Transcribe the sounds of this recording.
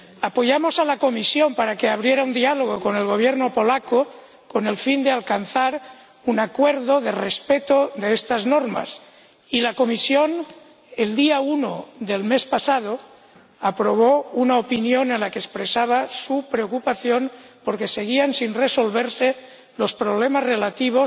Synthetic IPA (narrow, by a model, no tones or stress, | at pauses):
apojamo̞salako̞misjompaɾakeaβ̞ɾjeɾaund̪ialoɣ̞okone̞lɣo̞β̞jeɾnopolako | kone̞lfind̪ealkanθaɾ | unakweɾðoðerespet̪oðeest̪aznoɾma̰s | ilako̞misjon | eld̪iauno̰ðelmespasað̞o | apɾoβ̞ounaopinjonenlakeːspɾesaβ̞asupɾeokupaθjonpoɾkese̞ɣiansinreso̞lβ̞eɾse | lo̞spɾoβ̞lemazrelat̪iβ̞os